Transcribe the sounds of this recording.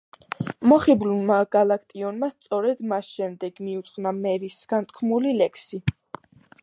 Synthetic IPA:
mɔχiblunmaɡalakʰt̪ʼiɔnmast̪sʼɔɾɛd̪masʃɛmd̪ɛɡ̥miut̪sʼχvnamɛɾisɡ̥ant̪ʰkʰmulilɛkʰsi

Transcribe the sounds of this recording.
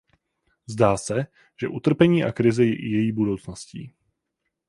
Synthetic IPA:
zdaːsɛ | ʒ̥ɛʔut̪r̩pɛɲiːʔakɾɪzɪjɛʔɪjɛjiːbudo̞wt͡snoscḭː

